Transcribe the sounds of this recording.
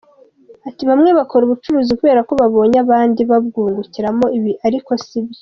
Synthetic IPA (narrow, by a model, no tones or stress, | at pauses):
atiβamŋe̞βako̞ɾuβut͡ʃuɾuːzikuβe̞ːɾako̞βaβo̞ːɲaβaːndiβabɡuːŋɡuciɾamo̞iβiʔaɾiko̞sibjo